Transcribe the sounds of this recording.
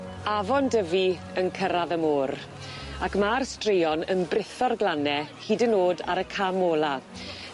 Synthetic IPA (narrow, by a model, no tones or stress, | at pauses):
avɔndəvi | ənkʰəɾaðəmoːɾ | akmarstrejɔnənbrɪθɔrɡlˠanɛhiːdənoːda̰ɾəkʰamoːlˠa